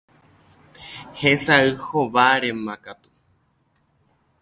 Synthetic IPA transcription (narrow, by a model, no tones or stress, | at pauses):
hesaɨhoʋaɾemãkat̪u̥